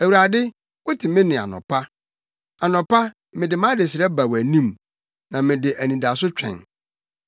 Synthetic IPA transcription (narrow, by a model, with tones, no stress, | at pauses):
æ˨wu˨ɾa˨dɪ˦ | wʊ˦tʰɪ˨mɪ̃˦nɪ̃˨a̰˨nɔ̰̃˨pʰa˦ | a˨nɔ̃˨pa˦ | mɪ̃˨dɪ˨mã˦dɪ˨sɪ˨ɾɛ˦ba˨wæ˨nĩ˦m | nã˨mɪ̃˨dɪ˨ʔæ˨nĩ˨da˨sʊ˦t͡ɕᶣʰɛ̰̃˨n